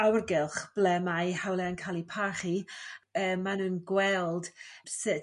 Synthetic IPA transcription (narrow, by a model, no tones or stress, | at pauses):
awrɡɪlˠχb̥lɛmajhawlɛankʰaːlˠipʰaχiəːmːanuːnɡwɛlˠd̥sət